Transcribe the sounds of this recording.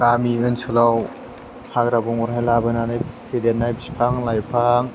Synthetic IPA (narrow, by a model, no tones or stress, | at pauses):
ɾamiɯnsɯlaw | pʰakɾabɔŋuɾɦajlabɯnanajpʰedenːajbispʰaŋlajpʰaŋ